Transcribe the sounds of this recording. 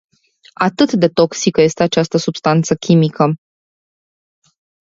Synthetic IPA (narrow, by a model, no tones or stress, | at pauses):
at̪ɨt̪d̪e̞t̪o̞ksikəje̞st̪e̞at͡ʃast̪əsubst̪ant̪səkʲimikʰə